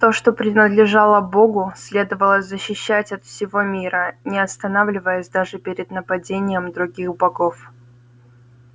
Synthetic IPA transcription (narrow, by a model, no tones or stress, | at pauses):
t̪o̞ʂt̪o̞pɾʲɪnəd̪lʲɪʐalˠəbo̞ɡʊsʲlʲe̞d̪əvəlˠəzʲzəɕːɪɕːætʲɐt̪fsʲɪvo̞mʲiɾənʲɪɐst̪ɐnavlʲɪvəjɪsʲd̪aʐɨpʲɪɾʲɪd̪nəpɐdʲenʲɪjəmd̪ɾʊɡʲixbɐɡo̞f